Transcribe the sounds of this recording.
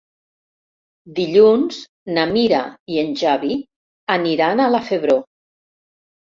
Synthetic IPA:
d̪iʎunz | namiɾa̰ienʲʒaβi | aniɾanalafeβɾo

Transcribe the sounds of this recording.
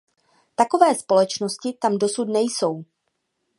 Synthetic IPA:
t̪ako̞vɛːspo̞lɛt͡ʃno̞scɪt̪amdo̞sut̪nɛjso̞w

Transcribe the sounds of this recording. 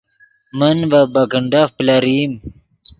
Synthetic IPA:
mənvabaɡəɳɖafplaɾim

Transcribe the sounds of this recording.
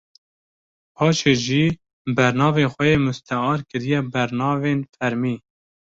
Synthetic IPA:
pʰɑːt͡ʃʰeːʒiː | bɛɾnɑːveːxʷɛjeːmʊst̪ʰɛɑːɾkɨɾijɛbɛɾnɑːveːnfɛɾmiː

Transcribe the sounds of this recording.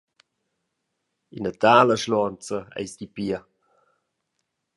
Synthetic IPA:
inətaːləʃlɔnt͡səɛ̰jsdipiə

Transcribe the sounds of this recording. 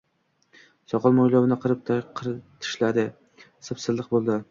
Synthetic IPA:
sɒqʰɑlˠmɒjlˠɒvɪnɪqʰɨɾɪp̚t̪ʰqʰɾt̪ʰɪ̥ʃlad̪ɪ | sɨpsɪzlˠɪq̚bolˠd̪ɪ

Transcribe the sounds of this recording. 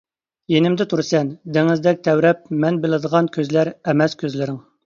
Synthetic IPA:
jenɪmd̪ɛt̪ʰuɾsɛnd̪eŋɪzd̪ɛk̚ʲt̪ʰɛwɾɛp̚mɛnbɪlɪd̪əʁɑnkʲʰøzlæɾɛmɛskʲøzlɪɾɪŋ

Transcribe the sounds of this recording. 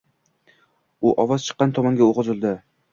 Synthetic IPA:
ʊʔɒvɒz̥t͡ʃʰɨ̥qːɑnt̪ʰɒmaŋɡʲaoʁɨzɪlˠd̪ɪ

